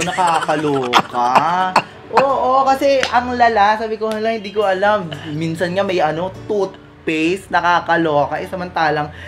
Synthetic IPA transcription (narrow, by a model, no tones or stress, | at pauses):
nɐkaːkɐloːkɐ | ʔoːʔokɐsɛʔɐŋlɐlasaːbɪkohɐlɐŋhɪnd̪iːko̞ʔɐlamːinsɐnŋamɐjʔɐno̞t̪ut̪̚ | pɛjsnɐkaːkɐloːkɐʔɛsɐmɐnt̪aːlɐŋ